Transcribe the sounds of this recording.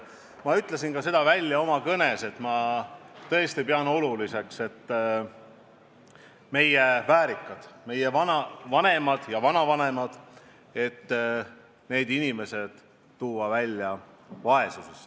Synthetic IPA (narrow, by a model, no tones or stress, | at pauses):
mɑyt̪ˑle̞s̬inkɑse̞d̪̥ɑvælʲːjɑo̞mɑkɤne̞se̞t̪ˑmɑt̪ɤ̞est̪ipeɑno̞lulise̞kse̞t̪ː | me̞jevæːɾikːˑɑd̪̥me̞jevɑnɑvɑne̞mɑd̪̥jɑvɑnɑvɑne̞mɑd̪̥ | e̞t̪ː | ne̞ːd̪inime̞se̞d̪̥ | t̪uːɑvælʲːjɑ | vɑe̞suse̞s